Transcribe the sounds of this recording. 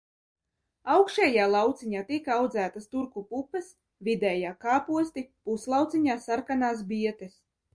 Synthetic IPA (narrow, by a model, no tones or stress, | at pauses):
awkʃɛːjaːlˠawt̪siɲaːt̪ikawd̪zæːt̪ast̪uɾkupupːɐs | vid̪ɛːjaːkaːpuɔst̪ipuslˠawt̪siɲaːsaɾkanaːs̬biɛt̪es